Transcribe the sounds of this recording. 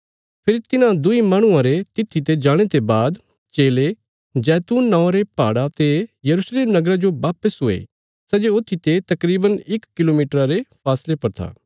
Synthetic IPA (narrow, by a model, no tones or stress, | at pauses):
pʰɪɾit̪ɪnãd̪ʊimaːɽ̃ʊ̃ãɾet̪ɪt̪ʰːit̪̬ed͡ʒaːɽ̃et̪ebaːd̪ | t͡ʃeːle | d͡ʒɛːt̪uːnːɔ̃ːɾepaːɽat̪ejɐɾuʃleːmnɐɡəɾad͡ʒoʋaːpəsɦoːḛ | sɛd͡ʒeʊt̪ʰːit̪et̪ɐkɾiːbənɪkːɪloːmiːʈəɾaɾepʰaːslepɐɾt̪ʰa̰ː